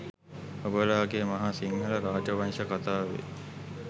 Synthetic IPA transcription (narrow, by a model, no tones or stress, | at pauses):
obəlaːɡeːmɐɦasiŋɡələɾaːd͡ʒəʋanʂʃəkat̪aːʋḛ